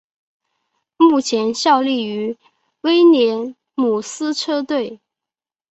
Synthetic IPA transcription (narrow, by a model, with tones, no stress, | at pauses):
mu˥˩t͡ɕʰjɛ˧˥nɕjɑ˥˧ʊli˥˩y˧˥ | we˥ɪnjɛ˧˥n | mu˨˩sɹ̩˥ʈ͡ʂʰɤ˥t̪we˥˩ɪ